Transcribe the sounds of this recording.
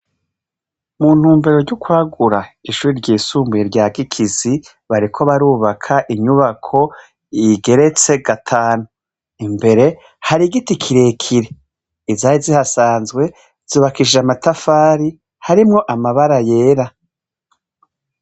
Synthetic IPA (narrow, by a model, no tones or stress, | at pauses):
mun̥huːmbe̞ɾo̞ɾɟukwaːɡuɾaiʃuɾiɾɟiːsuːmbueɾɟaːɡikʰizi | βaɾikʰo̞βaɾuːβakʰaʔiɲuβakʰo̞ | iɡe̞ɾe̞t͡se̞ɡatʰaːnu | imbe̞ɾe̞ | haɾiɡitikʰiɾe̞kʰiɾe̞ː | zaːjizihasaːnzɡwe̞ | z̥uːβakiʒamatafaːɾi | haɾimŋo̞ʔamaβaɾaje̞ːɾa